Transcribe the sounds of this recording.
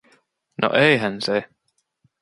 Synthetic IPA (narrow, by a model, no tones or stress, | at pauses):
no̰ʔeiɦænse